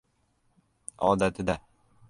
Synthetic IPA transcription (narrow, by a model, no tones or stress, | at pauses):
ɒd̪at̪ʰɪd̪a